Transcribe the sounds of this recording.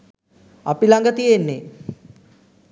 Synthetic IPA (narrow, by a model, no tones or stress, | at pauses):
apilaŋɡət̪ijenːe